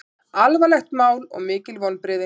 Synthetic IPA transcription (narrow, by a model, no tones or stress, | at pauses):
alvalɛxt̪maːwlɔ̰ɣmɪːcɪlvɔwlpɾɪːðɪ